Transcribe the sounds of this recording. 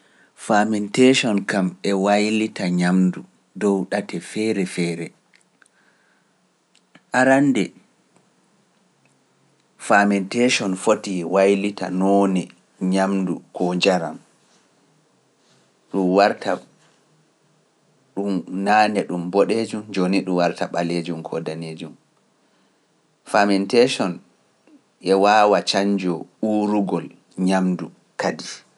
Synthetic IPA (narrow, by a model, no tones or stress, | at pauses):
famɛnteʃɔnkamɛwajlitaɲamdu | dɔwɗatʰɛfɛɾɛfɛːɾɛ | ʔaɾandɛ | famɛnteʃɔnfotiwajlita̰nɔːnɛ | ɲamdukʰɔɲd͡ʒaɾa̰m | ɗumwaɾtʰa | ɗumnaːnɛɗumbɔɗed͡ʒumd͡ʒoniɗumwaɾtaɓaled͡ʒumkʰɔdaneːd͡ʒum | famɛntɛʃɔn | ʔɛwaːwat͡ʃaɲd͡ʒɔuɾuɡɔl | ɲamdu | kadi